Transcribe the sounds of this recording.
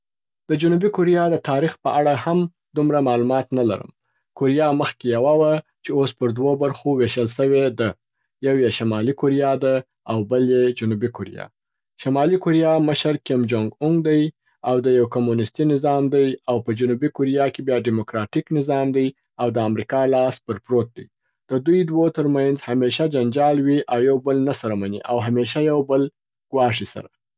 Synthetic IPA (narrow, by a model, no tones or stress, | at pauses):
d̪̥əd͡ʒʊnubikʊɾijɑd̪ət̪ɑɾixpəʔaɽaham | d̪umɾamɑlumɑt̪nala̰ɾə̰m | koɾijɑməxkejawawat͡ʃeospəɾd̪wobaɾxoweʃəlʃəwed̪a | jawjeʃamɑlikoɾijɑd̪a | awbəljed͡ʒʊnubikʊɾḭjɑ̰ | ʃamɑlikoɾijɑməʃəɾkɪmd͡ʒoŋɡʊŋɡd̪aj | awd̪əjawkomunɪst̪inɪzɑmd̪ajawpəd͡ʒʊnubikoɾijɑkebjɑɖimokɾɑʈiknɪzɑmd̪aj | awd̪əamɾikɑlɑs̚bəɾpɾot̪̚d̪a̰j | d̪̥əd̪ujd̪wot̪əɾmanzhameʃad͡ʒand͡ʒɑlwiʔawjawbəlnasaɾamanḭʔawɦameʃ̬ajawbəl | ɡ̥wɑʂisa̰ɾa